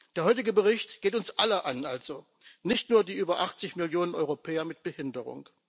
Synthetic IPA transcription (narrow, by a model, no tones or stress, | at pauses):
d̥eːɐɦɔʏtɪɡəbəʁɪçtɡ̥eːtʊnsʔaləʔanʔalz̥o | nɪçtnuːɐdiːʔyːbɐʔaχt͡sɪçmɪljoːnənʔɔʏʁopʰɛːɐmɪt̚b̥əhɪndəʁʊ̰ŋ